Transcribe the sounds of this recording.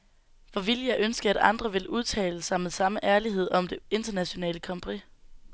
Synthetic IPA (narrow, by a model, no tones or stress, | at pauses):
ʋɒʋiljɑ̈ɪʔønsɡ̥ɐæɾ̥ɑ̈nd̥ʁɐʋe̝lʔuð̞ˠt͡sʰɛ̰ːləsɑ̈ɪmeðˠsɑ̈məʔæɐliɦe̝ð̞̰ˠɒ̽md̥e̝e̝nd̥ɐnæɕo̝nɛ̰ːləkʰɒ̽mpʰʁi